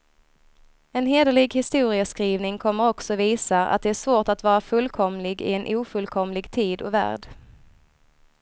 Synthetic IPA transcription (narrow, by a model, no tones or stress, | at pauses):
ɛnɦeːd̪əlɪɡhɪst̪uːɾɪəskɾiːvnɪŋkʰɔmːəɾɔksɔviːsaʔa̰t̪̚d̪ɛæʂvoːʈat̪vɑːɾafɵlkʰɔmlɪɡɪ̰ɛnʔuːfɵlkʰɔmlɪɡt̪ʰiːd̪ɔvæ̰ːɖ